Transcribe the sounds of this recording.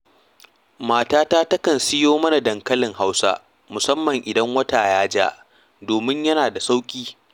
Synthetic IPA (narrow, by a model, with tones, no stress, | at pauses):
maː˨taː˦taː˦tɐ˦kɐ˨nsɪ˦joː˦mɐ˦na˨dɐ˨ŋkɐ˦lɪ˨ŋɦa˦wsa̰˦ | mʊ˨sɐ˦mːɐ˨ŋʔɪ˨dɐ˦ŋwɐ˦taː˨jaː˦d͡ʒa̰ː˦ | doː˨mɪ˦ɲjɐ˦naː˨da˨sa˦wkʲʼiː˦